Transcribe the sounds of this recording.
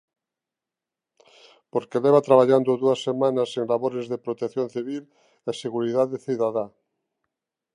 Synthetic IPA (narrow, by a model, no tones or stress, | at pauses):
poɾkeleβat̪ɾaβ̞aʎand̪oðuasːemãnaseŋlaβoɾezðepɾot̪ekθjonθiβil | eseɣuɾiðaðeθiðaða